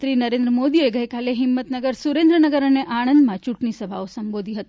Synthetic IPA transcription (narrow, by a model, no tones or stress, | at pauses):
t̪ɾiːnəɾẽnd̪ɾəmod̪ieɡəjkaleɦimːət̪nəɡəɾsuɾend̪ɾənəɡəɾəneʔaɽ̃ənd̪mãt͡ʃuʈɳisəbʱa̰osəmbod̪ʱiɦət̪i̥